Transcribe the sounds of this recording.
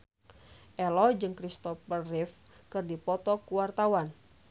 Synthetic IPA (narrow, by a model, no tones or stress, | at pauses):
ʔɛlɔd͡ʒɨŋkɾist̪ɔfərːif | kɨrdipɔt̪ɔkuwart̪awan